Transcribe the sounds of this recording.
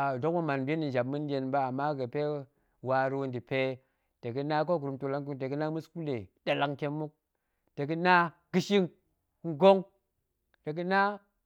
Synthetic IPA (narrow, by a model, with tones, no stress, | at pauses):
a˨do˦kmu˦ma˨nbʲe˦ni˨n˨d͡ʒa˨b̚mɨ˦n˦de˨˦nba˦a˨mːa˦ɡə˨pe˦ | wa˨ɾu˦wndi˨pe˦ | te˨ɡi˦na˦ko˦ɡu˨ɾu˨mto˨la˦ŋku˦ŋte˨ɡi˦na˦mu˦sku˦le˨da˨la˨ŋke˦mːu˦k̚ | te˨ɡi˦na˦ | ɡ̥i˨ʃi˦ŋ | ŋ̩˦ɡo˦ŋ | te˨ɡ̬i˦na˦